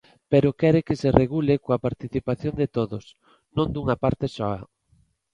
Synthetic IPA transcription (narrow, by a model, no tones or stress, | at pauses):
peɾokɛɾekesereɣulekoapaɾt̪iθipaθjond̪et̪oðos | nõnd̪uŋɐpaɾt̪esɔɐ